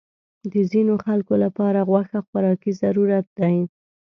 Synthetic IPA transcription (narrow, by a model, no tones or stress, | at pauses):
d̪əzinoxalkolapɑɾaɣwaxaxʊɾɑkizaɾuɾat̪̚d̪aj